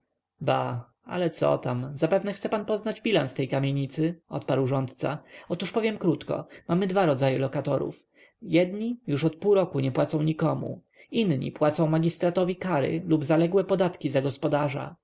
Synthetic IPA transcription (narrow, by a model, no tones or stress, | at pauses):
ba | a̰lɛt̪sɔ̰t̪amzapɛvnɛxt̪sɛpanpɔznad͡ʑbʲilã̰nst̪ɛjkamʲjeɲit̪sɘɔ̰t̪̚paɾwʐɔnt̪t̪sa̰ɔt̪uʂpɔvʲjɛmkɾut̪kɔ̰mamɘd̪vaɾɔd̪zajɛlɔkat̪ɔɾṵf | jɛd̪ɲijuʂɔt̪̚puːɾɔkuɲɛpwat̪sɔ̃w̃ɲikɔmṵ | inɲḭpwat̪sɔ̃w̃maɡʲist̪ɾat̪ɔvʲikaɾɘ̰lubzalɛɡwɛpɔd̪at̪kʲizaɡɔspɔd̪aʐa̰